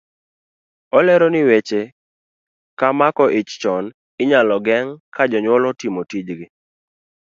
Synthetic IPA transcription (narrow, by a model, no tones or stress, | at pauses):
ɔlɛɾɔnɪwet͡ʃe | kamakɔʔɪt͡ʃt͡ʃɔn | ɪɲalɔɡɛŋkad͡ʒɔɲwɔlɔtimotid͡ʒɡɪ